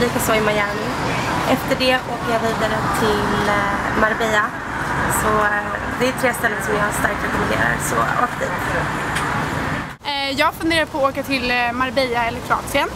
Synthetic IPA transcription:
liːkasoːɪmajæːɳn | ʔɛft̪əɖɛʔoːkəɾjɑːviːd̪aɾət̪ʰɪlmaɾbɛːa | sɔ | d̪ɛt̪ʰɾeːst̪ɛlːəɾsɔmjɑːst̪aɾk̚t̪ɾɛkɔmɛnd̪ḛːɾa̰ɾsɔ̰oːkəvɪ | jɑːafɵnd̪eːɾad̪̚pʰɔoːkat̪ʰɪlmaɾbɛjaɛlːəɾkʰɾʊɑ̰ːt̪sɪən

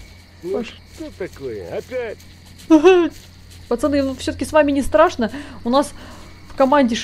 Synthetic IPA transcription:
aʂ | t̪ot̪ːɐkojə̰ɐpʲætʲ | pɐt̪sɛnːknufsʲɵəkʲɪsvamʲɪnʲɪst̪ɾaʂnəʊnas | fkɐmanʲdʲɪʂ

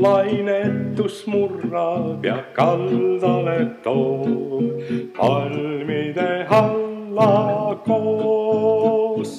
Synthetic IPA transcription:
lɑjnet̪ːusmurːɑjɑkɑld̪ɑlet̪o | pɑlmid̪ehɑlːɑko | s

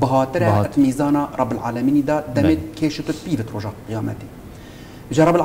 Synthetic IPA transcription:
bɨɦɑːt̪ɨɾɛt̪miːzɑːnɑːrˤɑbɨlʕa̰ːlɛmiːnid̪ɑːd̪ɛmeːkʰeːʃɨt̪ʊt̪̚piːbɨt̪roːʒɑqijɑːmɛ̰t̪eː | ʒɨɾˤɑbl

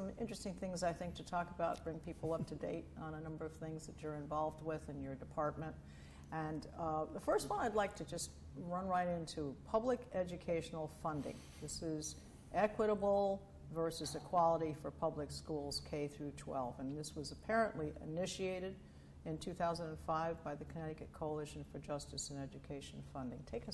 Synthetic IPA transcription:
sʌ̃mɪ̰̃nt͡ʃɹ̥ɨstɪ̃ŋθɪ̃ŋzaɪθɪ̃ŋk̚tʰɨtʰɔkəbaʊt̚b̥ɹɪ̃ŋpʰipl̩ˠʌp̚tʰɨdḛɪɾn̩ənʌ̃mbə˞ʌv̥θɪ̃ŋzðɨt͡ʃə˞ɨ̃ɱvɑlˠvd̚wɪðɨ̃njə˞dɨpʰɑɹt̚mɨ̃nt̚ | ɨ̃nðəfɜ˞st̚wɔ̃lˠaɪdˡlaɪk̚tʰɨd͡ʒʌst̚ | ɹʌ̃nɹaɪɾɪ̃ntʰupʰʌblɨkɛd͡ʒɨkʰeɪʃn̩l̩ˠfʌ̃ndɪ̰̃ŋ | ðɪsɪz | ʔɛkwɨɾəbl̩ˠ | vɜ˞sɨzɨkʰw̥ɑlˠəɾifə˞pʰʌblɨkskulˠz̥kʰeɪθɹʉtʰw̥ɛ̰lˠvɨ̃nðɪswʌzəpʰɛɹɨ̃nʔliʔɨ̰nɪʃieɪɾɨɾ | ɨ̃ntʰʉθaʊzə̃ndɨ̃nfaɪvbaɪðɨkʰənɛɾɨkɨt̚kʰoʊəlˠɪʃn̩fə˞d͡ʒʌstɨsɨ̃nɛd͡ʒɨkʰeɪʃn̩fʌ̃ndɪ̃ŋtʰeɪkʌ

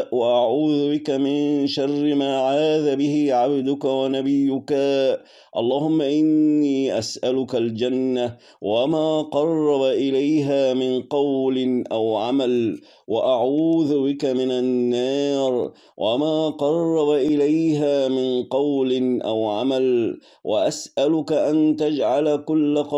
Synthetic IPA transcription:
waʔaʕuːðʊbɪkamɪnʃɑrːɪmaːʕaːðabɪhɪʕabd̪ʊkawanabɪjːʊka | ʔɑ̰lˤːɑːhʊmːaʔɪnːiːʔasʔalʊkald͡ʒanːa | wamaːqɑrˤːɑbaʔɪlajɦaːmɪnqɑwlɪnʔawʕamal | waʔaʕuːðʊbɪkamɪnanːɑːɾ | wʔamaːqɑrˤːɑbaʔɪlajɦaːmɪnqɑwlɪnʔawʕamal | wʔa̰ʔasʔalʊkaʔant̪ad͡ʒʕalakʊlːaqɑ

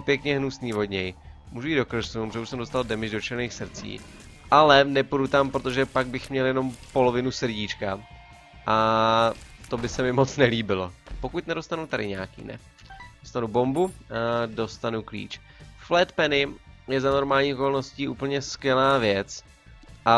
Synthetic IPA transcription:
pjɛkɲɛɦnusniːvo̞dɲɛjmuːʒuido̞kr̩suprʒɛuʃsɛmdo̞st̪aldɛmɪʒdo̞t͡ʃɛɾniːxsɾ̩t͡sḭː | ʔalɛnɛpudut̪ampɾot̪oʒɛpaɡ̚bɪxmɲɛljɛno̞mpo̞lo̞vɪnusrɟit͡ʃka | ʔa | t̪o̞bɪsɛmɪmo̞t͡snɛliːbɪlo̞po̞kuc̪nɛdo̞st̪anut̪adɪɲɛakḭːnɛ̰ | dost̪anubo̞mbudo̞st̪anuklḭːt͡ʃ | flɛt̪pɛnɪjɛzano̞ɾmaːlɲiːʔoko̞lno̞sciːʔuːpl̩ɲɛskjɛlaːvjɛt͡s | ʔa

